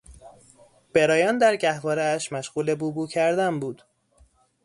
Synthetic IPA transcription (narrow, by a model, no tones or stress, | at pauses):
b̥eɾɒːjɒːnd̪æɾɟæhvɒːɾeæʃmæʃɢ̥uːle̞buːbuːcʰæɾd̪æmbuːd̪̥